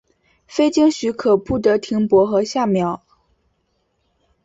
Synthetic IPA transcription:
fe˥ɪt͡ɕi˥ŋɕy˧˥kʰɤ˨˩pu˥˩t̪ɤ˧˥t̪ʰi˧˥ŋpwɔ˧˥xɤ˧˥ɕja˥˩mjɑ˨˧˥ʊ

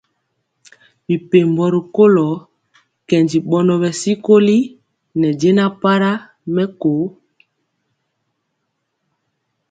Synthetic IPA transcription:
bi˨pe˨mbɔ˨ɾi˨ko˦lɔ˨˦ | kɛ˨nd͡ʒi˨ɓɔ˨nɔ˨bɛ˨si˦ko˦li˦ | nɛ˨d͡ʒe˦na˦pa˦ɾa˦ | mɛ˦ko˨˦

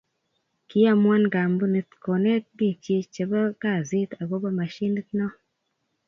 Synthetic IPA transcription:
ki˦a˦˨mwa˦nɡa˨mbu˦ni˦t̪ko˨ne˦t̚di˦˨t͡ʃe˧t͡ʃe˨ba˦ka˦˨zi˦t̪a˨ɡo˦ba˦ma˨ʃi˦ni˦t̪nɔ˦

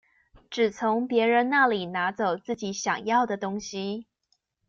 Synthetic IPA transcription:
ʈ͡ʂɻ̩˨˩t͡sʰʊ˧˥ŋpjɛ˧˥ɻə˧˥nna˥˩li˨˩na˧˥t͡so˨˩ʊt͡sɹ̩˥˩t͡ɕi˨˥ɕjɑ˨˩ŋjɑ˥˩ʊd̪ə˩t̪ʊ˥ŋɕi˨

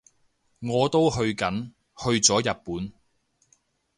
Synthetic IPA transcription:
ŋɔː˨˧t̪o˥wɦɵ˧ɥkɐ˨˥n | hɵ˧ɥt͡sɔː˨˥jɐ˨t̚puː˨˥n

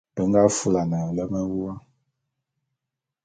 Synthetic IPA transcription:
b̥ə˨˦ŋ˦ɡa˦fu˦la˨na˨lə˦mə˦wu˦wa˦

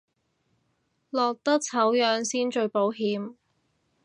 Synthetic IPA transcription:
lɔː˨k̚t̪ɐ˥k̚t͡sʰɐ˨˥wjœː˨˧ŋsiː˥nt͡ʃɵ˧ɥpo˨˥wɦiː˨˧m

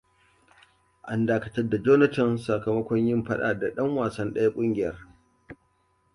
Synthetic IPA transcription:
ʔa˨˦ndaː˦kɐ̥˦tɐ˦rda˨d͡ʒoː˦nɐ˦tɐ˨nsa˨kɐ˨mɐ˦kʷɔ˦ɲjɪ˦mɸɐ˦ɗa̰ː˨da˨ɗɐ˦ŋwaː˨sɐ˦nɗɐ˦ja˦kʷʼʊ˦ŋɡʲɪ˨jɐ˦r

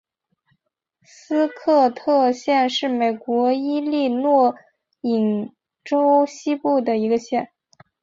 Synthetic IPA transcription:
sɹ̩˥kʰɤ˥˧t̪ʰɤ˥˧ɕjɛ˥˧nʂɻ̩˥˩me˨˩ɪkwɔ˧˥i˥li˥˧nwɔ˥˩ | i˨˩ŋ | ʈ͡ʂo˥ʊɕi˥pu˥˩d̪ə˩i˧˥ɡə˧ɕjɛ˥˩n

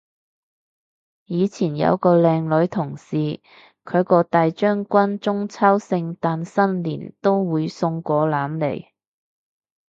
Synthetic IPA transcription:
jiː˨˧t͡sʰiː˨˩njɐ̰˨˧wkɔː˧lɛː˧ŋlɵ˨˥ɥt̪ʰʊ˨˩ŋsiː˨ | kʰɵ˨˧ɥkɔː˧t̪aː˨jt͡ʃœː˥ŋkʷɐ˥nt͡ʃʊ˥ŋt͡sʰɐː˥wsɪ˧ŋt̪aː˨nsɐ˥nliː˨˩nt̪o˥wwuː˨˧jsʊ˧ŋkʷɔː˨˧laː˨˥mlḛ˨˩j

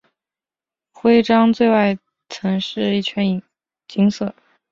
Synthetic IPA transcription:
xwe˥ɪʈ͡ʂɑ˥ŋt͡swe˥˧ɪwa˥˩ɪ | t͡sʰɤ˧˥ŋʂɻ̩˥˧i˥˩t͡ɕʰɥɛ˧˥ni˨˩ | t͡ɕi˧˥ŋsɤ˨˥˩

